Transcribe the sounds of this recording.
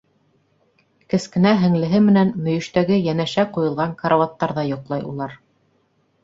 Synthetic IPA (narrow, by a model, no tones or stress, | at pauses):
kɘ̆skɘ̆næɦɘ̆ŋlɘ̆ɦɘmɘ̆nænmɵ̆jɵ̆ʃt̪æɡɘjænæʃæqujɤ̆lˠʁɑŋkɑɾawɑt̪ːɑɾðɑjŏqlˠɑjṵlˠɑɾ